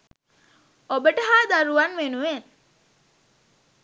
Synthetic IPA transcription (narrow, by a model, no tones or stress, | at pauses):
obəʈəɦaːd̪aɾuʋanʋenuʋen